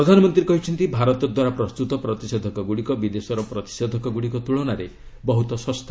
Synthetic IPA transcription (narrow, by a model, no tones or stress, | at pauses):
ɾɔd̪ʱanɔmɔnt̪ɾiekɔɦit͡ʃʰɔnt̪ibʱaɾɔt̪ɔd̪waɾapɾɔst̪ut̪ɔpɾɔt̪ised̪ʱɔkɔɡuɽikɔbid̪esɔɾɔpɾɔt̪i̥sed̪ʱɔkɔɡuɽikɔt̪uɭɔnaɾe | bɔɦut̪ɔsɔst̪ʰa